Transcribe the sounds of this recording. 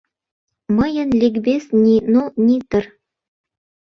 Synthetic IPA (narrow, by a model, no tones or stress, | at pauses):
mɤjə̆nlʲikbesnʲinonʲit̪ɤ̆r